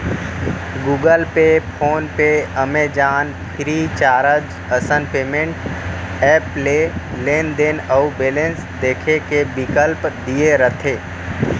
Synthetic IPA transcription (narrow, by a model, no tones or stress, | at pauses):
ɡuːɡəlpepʰoːnpeəmed͡ʒaːn | pʰɪɾit͡ʃaːɾəd͡ʒ | əsənpeːmẽɳʈ | ɛːpleleːnd̪enəbeːlẽns | d̪eːkʰekebɪkəlpd̪ieɾət̪ʰeː